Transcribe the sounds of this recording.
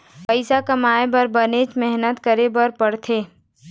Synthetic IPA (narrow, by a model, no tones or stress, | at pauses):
pəɪsakɐmaːebɐɾbənet͡ʃmɛɦnət̪kəɾebəɾpəɽt̪ʰeː